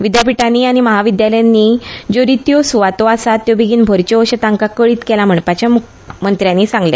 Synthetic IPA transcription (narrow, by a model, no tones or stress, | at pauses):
ʋid̪jap̬iʈaniːaɽ̃iməɦaʋid̪jaləjanːiːd͡ʑoɾit̪josuʋat̪oasat̪ːjobiɡiːnbʱoɾt͡ɕɔʋəɕət̪ãŋkakəɭiːt̪kɛlam̤əɳpat͡ɕamu | mənt̪ɾjanːisãŋɡle